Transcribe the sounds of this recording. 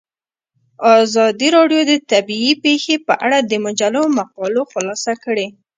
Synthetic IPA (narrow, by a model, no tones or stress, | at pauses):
ɑzɑd̪iɾɑɖjod̪ət̪abiipexepəʔaɽad̪əmʊd͡ʒalamaqɑloxʊlɑsakəɽe